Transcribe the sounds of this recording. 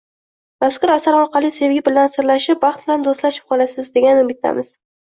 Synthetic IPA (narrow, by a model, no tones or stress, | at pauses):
maskʊɾasaɾɒɾqʰɑlˠise̞vɡʲɪbɪlansɪɾlaʃɪpvɑχt̪̚bɪland̪ost̪laʃɪ̥p̚qʰɒlasɪzd̪e̞ɡʲanmɪt̪ʰa̰mɪz̥